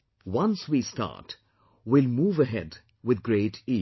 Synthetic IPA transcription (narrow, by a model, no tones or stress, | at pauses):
wʌ̃nswisʈa̰ːɾʈ | wɪlmuːvəɦɛ̰d | wɪd̪ɡɾeːʈi